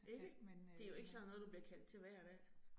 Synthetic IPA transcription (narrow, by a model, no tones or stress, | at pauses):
e̝ɡ̥əd̥e̝æɐjo̝e̝ɡ̥əsɒ̽ðnɔ̽ðˠd̥ub̥liɐkʰæl̰d̥̚t͡sʰe̝ʋæɐ̰ɒd̥æ